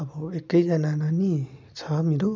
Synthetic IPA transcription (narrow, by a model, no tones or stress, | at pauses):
ʌbʌekːʌjd͡zʌnananit͡sʰʌmeɾo